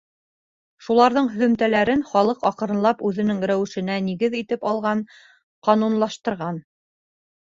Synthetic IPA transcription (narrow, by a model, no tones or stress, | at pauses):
ʃulˠɑɾðɤɴɦɵ̆ðɵ̆mt̪ælæɾɘnχɑlˠɤqɑqɤ̆ɾɤ̆nlˠɑpʉðɘ̆nɘŋɾæwɘ̆ʃɘ̆næniɡɘðit̪ɘpɑlˠʁɑn | qɑnunlˠɑʃt̪ɤ̆ɾʁɑn